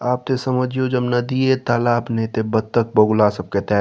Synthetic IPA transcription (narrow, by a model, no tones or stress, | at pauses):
aːp̚t̪esɐməd͡ʒijod͡ʒɐbnɐd̪ijet̪aːlaːbnet̪ebɐt̪ːək̚bɐɡlasɐb̚ket̪ɛː